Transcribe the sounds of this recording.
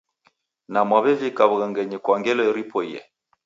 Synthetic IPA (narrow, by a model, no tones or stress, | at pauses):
namwaβɛvikaβuɣɛŋɡɛɲɛkwaŋɡɛlɔiɾipɔiɛ̰